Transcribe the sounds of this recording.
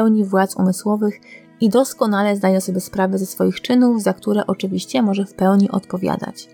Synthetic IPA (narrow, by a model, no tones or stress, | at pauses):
ɛwɲivwat̪sṵmɘswɔvɘx | id̪ɔskɔnalɛzd̪ajɛ̃sɔbʲjɛspɾavɛzɛsfɔjixt͡ʂɘnuvzakt̪uɾɛ̰ʔɔt͡ʂɘvʲiɕt͡ɕɛmɔʐɛfpɛwɲiʔɔ̰t̪pɔvʲja̰d̪a̰t͡ɕ